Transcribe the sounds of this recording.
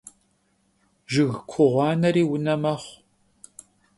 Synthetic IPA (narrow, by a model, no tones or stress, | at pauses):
ʒɨɣkʷʰʊʁʷɑːnɐɾiːwʊnɐmɐχʷ